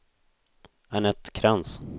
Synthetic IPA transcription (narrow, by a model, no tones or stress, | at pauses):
ɛnɛt̪kʰɾans